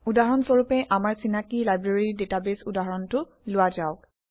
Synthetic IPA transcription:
udaɦɹɔnsoɹupɛʔamaɹsinakilajbɹeɹidetabesudaɦɹɔntʊ | lʊwazaʊk

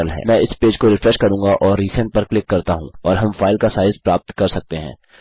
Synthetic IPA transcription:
əlɦɛ̰ːmɛ̃ɪspeːd͡ʒkoɾɪfɾɛʃkɐɾũːŋɡaʔɔːɾːiːsɛ̃ɳʈ̚pɐɾklɪkːɐɾt̪aɦũɔːɾɦɐ̃mfaːɪlkasaːɪzpɾaːp̚t̪kɐɾsɐk̚t̪eɦɛ̰̃ː

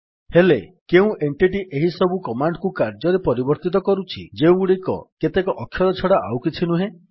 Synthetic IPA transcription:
helekeũʔeɳʈiʈ̬iʔeɦisɔbukɔmaɳɖkukaɾd͡ʒɔɾepɔɾibɔɾt̪it̪̬ɔkɔɾut͡ʃʰḭd͡ʒeũuɽikɔ̰ket̪ekɔʔɔkʰːjɔlɔt͡ʃʰɔɽaʔawkit͡ʃʰinuɦẽ

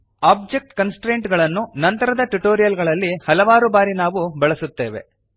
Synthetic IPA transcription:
aːb̚d͡ʒek̚ʈkɐnsʈɾeːɳʈɡɐɭɐnːunɐnt̪ɐɾɐd̪ɐʈuʈoːɾijɐlɡɐɭɐlːihɐlɐʋaːɾubaːɾinaːʋubɛɭɐsut̪ːe̞ːʋe̞̰

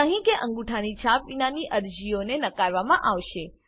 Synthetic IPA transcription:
əɦĩkeʔə̃ŋɡuʈʰanit͡ʃʰapinaniʔəɾd͡ʒionenəkaɾʋamãʔaʋʃe

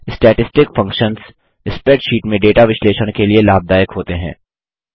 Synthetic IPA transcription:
ɪsʈɛːʈɪsʈɪkfɐ̃ŋkʃənz | ɪspɛːʈʃiːʈmẽɖeːʈaʋɪʃleːʃəñkelielaːb̚d̪aːjəkɦoːt̪eɦɛ̰̃ː

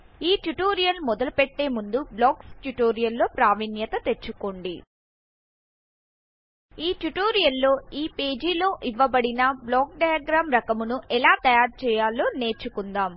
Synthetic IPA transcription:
iːʈjuʈoːɾijɐlmɔd̪ɐlupeʈːe̞ːmund̪ublɔːksʈjuʈoːɾijɐlːo̞ːpɾaːʋinjɐt̪ɐt̪e̞t͡ʃːukoːɳɖi | iːʈjuʈoːɾijɐlːo̞ːiːpe̞ːd͡ʒiːlo̞ːʔiʋːɐbɐɽinɐblɔːk̚ɖɐjaɡɾaːmɾɐkɐmunuʔɛlaːt̪ɐjaːɾt͡ʃɛːjaːlo̞ːne̞ːɾt͡ʃːukund̪aːm

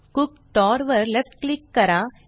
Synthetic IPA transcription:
kʊk | ʈɔːɾʋɐɾlɛfʈklɪkːɐɾaː

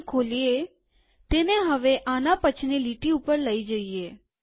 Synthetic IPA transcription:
kʰolie | t̪eneɦəʋeʔanapət͡ʃʰniliʈiupəɾləid͡ʒəie

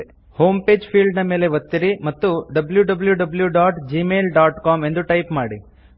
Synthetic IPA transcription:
ho̞ːmpe̞ːd͡ʒpʰiːlɖnɐme̞ːle̞ʋɐt̪ːiɾimɐt̪ːuɖɐbljuɖɐbljuɖɐbljuɖaːʈd͡ʒimeːlɖaːʈkaːme̞nd̪uʈɐjpmaːɽḭ

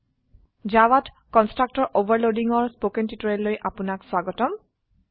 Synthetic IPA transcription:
zawat | kɔnstɹak̚tɔɹʔobaɹlodiŋɔɹspokɛntitɔɹɛlːojʔapʊnakswaɡɔtɔm

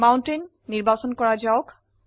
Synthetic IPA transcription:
maʊntenːiɹbasɔnkɔɹad͡ʒaʊk

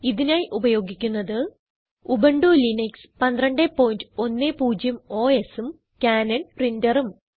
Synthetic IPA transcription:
iðinaːjiʔubɐjo̞ːɡikʲːunːɐðɨ | ubɐɳɖulinekspɐnd̪rɐɳɖepːoːjndɨo̞nːepuːd͡ʑjɐmo̞ːe̞sum | kʲaːnɐɳprindɐrum

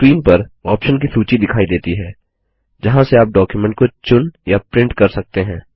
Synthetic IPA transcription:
kwiːnpɐɾɔːpʃənk̬isuːt͡ʃid̪ɪkʰaːid̪eːt̪iɦɛː | d͡ʒɐɦãseaːp̚ɖɔːkjumɛ̃ɳʈ̚kot͡ʃʊnjapɾɪ̃ɳʈkɐɾsɐk̚t̪eɦɛ̃ː

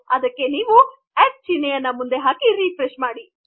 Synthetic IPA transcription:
ɐd̪ɐkːe̞niːʋu | eʈ̚t͡ʃinːejɐnːɐmund̪e̞ɦaːkiɾiːpɾeʃmaːɽi

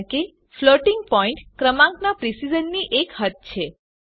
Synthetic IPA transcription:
ke | floʈiŋɡ̚pɔiɳʈkɾəmãŋknapɾisid͡ʒənːiʔekɦət̪̚t͡ʃʰe

